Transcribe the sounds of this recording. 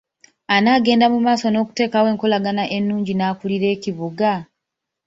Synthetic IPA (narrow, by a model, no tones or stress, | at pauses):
anaːɡe̞ːndamumaːso̞no̞ːku̥te̞ːkawe̞ːŋko̞laɡanaʔe̞nːuːɲɟinaːkuliɾe̞ːciβuɡa